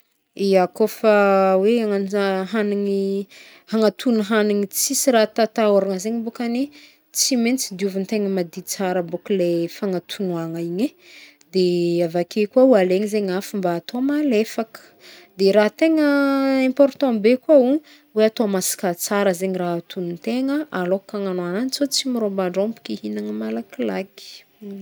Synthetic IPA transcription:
iakofaweaŋaɦaniŋi | haŋat̪ʰunuɦaniŋit͡sisirat̪at̪aoɾaŋazeɲibukani | t͡siment͡sid̪iuvint̪eŋəmad̪it͡saɾəbukulefaŋat̪ʰunuaŋaiɲe | d̪eavakʰekuaualeɲizeɲafumbaːt̪omalefakə̥ | d̪eɾaɦt̪eŋəɛ̃mpɔɾt̪ɔ̃bekuau | weat̪omasi̥kat͡saɾəzeɲiraɦat̪ʰunnt̪eŋəʔalokaŋanoananit͡sot͡simiɾombaɳɖ͡ʐompi̥kʲihinaŋəmalakilaki̥

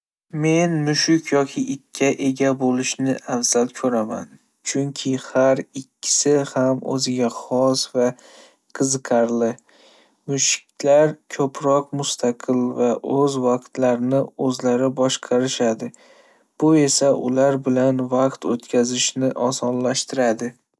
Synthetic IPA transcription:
me̞nmʊʃɪkʲʰjɒkʲʰɪʔɪkʲʰːaʔe̞ɡʲabolɪʃnɪʔamsalkʲʰɵɾama̰n | t͡ʃʰʊŋkʲʰɪhaɾɪkʲʰːɪ̥sɪhamɵ̰zɪɡʲaχɒsva | qʰɨzɨqʰɑɾlɪ | mʊʃɪ̥k̚ʲlaɾkʰɵpʰɾɒqmʊst̪ʰaqʰɨlvaʔɵzvɑqt̪laɾnɪɵzlaɾɪbɒʃqʰɑɾɪʃad̪ɪ | b̥ʊe̞saʔʊlaɾbɪlanvaqt̪ot̪kʲʰazɪʃnɪʔɒsɒnlaʃt̪ʰɪɾad̪ɪ

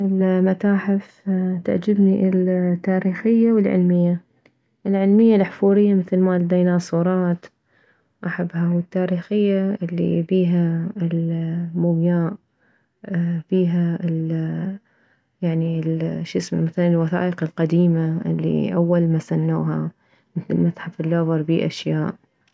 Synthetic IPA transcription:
ʔɪlmat̪aːħɪf | t̪a̰ʕd͡ʒɪbniʔɪlt̪ːaːɾiːxɪjːawɪlʕɪ̰lmɪjːa | ʔɪlʕɪlmɪjːalħfuːɾɪjːamɪθlmalɪd̪ejnasˤuːɾˤɑːt̪ | ʔaħabːhahʊɪt̪ːaːɾiːxɪjːaʔɪlːḭfiːɦaɪlmʊmjaːʔ | fiːɦaɪl | jaʕnilʃɪsmamaθalanɪlwaθa̰ːʔɪqɪlqad̪iːmaɪ̰lːḭʔawːalmasanːṵːɦa̰ | mɪθlɪlmasħafɪlːoːvɑɾˤbiːʔa̰ʃjaːʔ

